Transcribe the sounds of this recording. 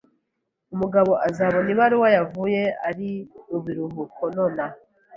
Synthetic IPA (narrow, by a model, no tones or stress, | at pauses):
umuɡaβo̞ʔazaβoniβaɾiwajavuje̞a̰ɾiuβiɾuɦukʰonona